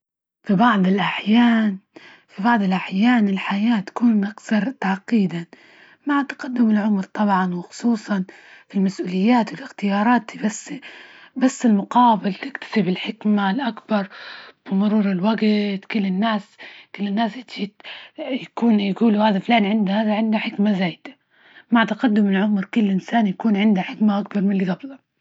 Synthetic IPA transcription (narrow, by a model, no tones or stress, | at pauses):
fibɑʕd̪ˤɪlʔaħjaːn | fibɑʕd̪ˤɪlʔaħjaːnɪlħajaːt̪ḁkuːnʔakθɑɾˤt̪aʕqːiːd̪a | maʕt̪ḁqɑd̪ːʊmɪlʕʊmɾt̪ˤɑbʕɑnwɪxʊ̥sˤuːsˤɑnfilmasʔuːlɪjːaːt̪wɪlɪxt̪ɪjɑːɾˤɑːt̪ibasːbasːɪlmʊqɑːbɪlt̪ɪkt̪ḁsɪbɪlħɪkmalʔakbɑɾˤb̥ɪmʊɾuːɾɪlwaɡt̪kʊlːɪnːaːskɪlːɪnːaːsat̪ʃiːt̪jakuːnjaɡuːluhaːðaflaːnʕɪnd̪ahaːðaʕɪnd̪aħɪkmazaːjd̪̥ḁ | maʕt̪aqɑd̪ːʊmɪlʕʊmɾkʊlːʔɪnsaːnjakuːnʕɪnd̪aħɪkmaʔak̚bɑɾˤmɪnliɡɑblɑ